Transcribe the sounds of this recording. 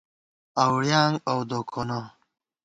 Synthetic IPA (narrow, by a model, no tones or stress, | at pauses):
awɽjaŋɡawd̪okʰona